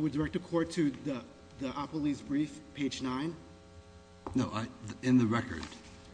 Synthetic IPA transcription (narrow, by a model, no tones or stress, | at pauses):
wɨdə˞ɛk̚tɨkʰɔɹd̚tʰɨði | ðiʔɑplˠizbɹifpʰeɪd͡ʒnãɪ̃n | noʊʔaðɪ̃nðɨɹɛkə̰˞d̥